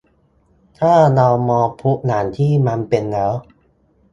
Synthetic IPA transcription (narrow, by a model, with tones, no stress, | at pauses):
t̪ʰaː˥˩naː˧wmɔː˧pʰu˦˥ʔ̚naː˩˦nt̪ʰiː˥˩ma˧npe˧nlɛː˦˥w